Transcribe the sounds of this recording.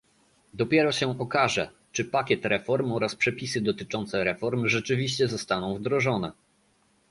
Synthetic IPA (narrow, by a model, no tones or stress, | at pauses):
d̪ɔpʲjɛɾɔɕɛɔkaʐɛ̰ | t͡ʂɘpakʲɛt̪ɾɛfɔɾmɔɾaspʂɛpʲisɘd̪ɔt̪ɘt͡ʂɔnt̪sɛɾɛfɔɾmʐɛt͡ʂɘvʲiɕt͡ɕɛzɔst̪anɔ̃w̃vd̪ɾɔʐɔnɛ̰